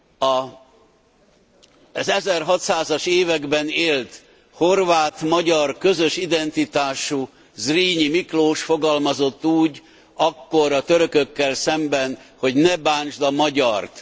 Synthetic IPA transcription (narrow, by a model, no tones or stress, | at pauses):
ɒ | zɛzɛrɦɒt̪saːzɒʃeːvɛɡbɛneːlt̪ | ho̞rvaːt̪mɒɟɒrkø̞zøʃid̪ɛnt̪it̪aːʃu | zriːɲimikloːʃfo̞ɡɒlmɒzo̞t̪ːuːɟ | ɒkːoɾɒt̪øɾøkøkːɛlsɛmbɛnho̞ɟnɛbaːɲt͡ʃd̪ɒmɒɟɒrt̪